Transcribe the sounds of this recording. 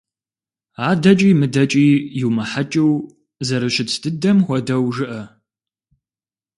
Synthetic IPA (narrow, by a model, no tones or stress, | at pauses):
aːdɐt͡ʃʼiːmɨdɐt͡ʃʼiːjɪwmɐħat͡ʃʼɪw | zɐɾɨɕɪtʰdɨdɐmxʷɔdɐwʒɨʔɐ